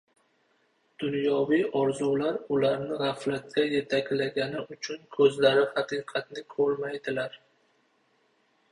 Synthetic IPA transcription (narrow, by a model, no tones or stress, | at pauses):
d̪̥ʊnjɒwijɒɾzulaɾʊlaɾnɪʁɑflat̪̚kʲaje̞t̪ʰakʲlaɡʲanɪʊt͡ʃʰʊnkʰɵzlaɾɪhɑqʰɨqʰɑt̪̚nɪkʲʰɵɾmajd̪ɪlaɾ